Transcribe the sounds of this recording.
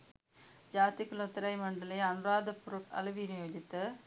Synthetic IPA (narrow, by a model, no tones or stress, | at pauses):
d͡ʒaːt̪ikːɐlot̪ːɐɾɐɪmɐɳɖɐleɐnɯɾaːd̪ɐpːʊɾɐkɐ̰lɐʋijnɪjoːd͡ʒɪt̪ːɯ